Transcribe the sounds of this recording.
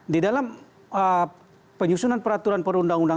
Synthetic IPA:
didalam | ə | pəɲusunanpəɾat̪uɾanpəɾundaŋunda

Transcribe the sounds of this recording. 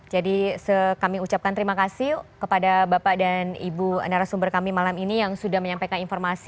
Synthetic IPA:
d͡ʒadisəkamiut͡ʃap̚kant̪əɾimakasɪhkəpadabapaʔdanibuə̰naɾasumbərkamimalaminijaŋsudahməɲampajkaninfɔrmasi

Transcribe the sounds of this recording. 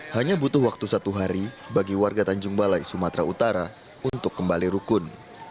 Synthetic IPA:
haɲabut̪ʊhwak̚t̪usat̪uɦaɾi | baɡiwarɡat̪aɲd͡ʒʊŋbalajsumat̪ɾaut̪aɾa | unt̪ʊkːəmbaliɾukʊn

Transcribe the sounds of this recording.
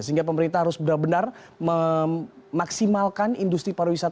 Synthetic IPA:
səɦiŋɡap̬əməɾint̪ahɦaɾʊsbənarbənar | mə | maksimalkanindust̪ɾipaɾawisat̪

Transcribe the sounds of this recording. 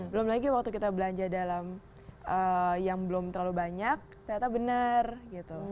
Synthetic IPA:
bəlʊmlaɡiwak̚t̪ukit̪abəlaɲd͡ʒadalam | ʔəjaŋbəlʊmt̪ərlalubaɲak̚t̪aat̪abənərɡit̪u

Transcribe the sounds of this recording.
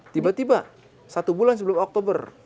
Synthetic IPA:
t̪ibat̪iba | sat̪ubulans̬əbəlʊmɔk̚t̪obər

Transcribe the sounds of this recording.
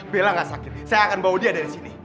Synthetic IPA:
belaŋasakɪt̪̚sajaːkanbawudiadaɾisini

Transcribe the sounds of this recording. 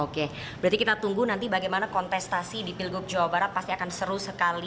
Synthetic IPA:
oke | bbəɾat̪ikit̪at̪uŋɡunant̪ibaɡajmanakɔnt̪ɛst̪asidipilɡʊk̚d͡ʒawabaɾat̪̚past̪iakansəɾusəkali

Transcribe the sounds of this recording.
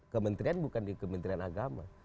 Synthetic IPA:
kəmənt̪ɾianbukandikəmənt̪ɾianaɡama̰

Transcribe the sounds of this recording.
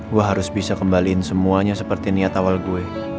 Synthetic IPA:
ɡuaɦaɾʊsbisakəmbaliːnsəmuaɲasəpərt̪iniat̪awalɡue

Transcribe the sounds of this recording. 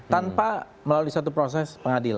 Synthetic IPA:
t̪anpa | məlaluisat̪upɾos̬ɛspəŋadila̰

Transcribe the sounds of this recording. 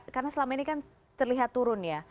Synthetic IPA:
karnasəlamainikan | t̪ərliɦat̪ːuɾʊnja

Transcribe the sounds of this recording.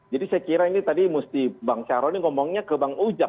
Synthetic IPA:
d͡ʒadisajakiɾainit̪adimust̪ibaŋt͡ʃaɾɔniŋɔmɔŋɲakəbaŋud͡ʒa

